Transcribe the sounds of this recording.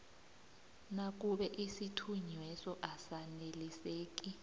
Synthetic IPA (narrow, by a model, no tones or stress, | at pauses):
nak̬ʼuɓɛʔisitʰuɲwɛsɔʔasaneliseːk̬ʼi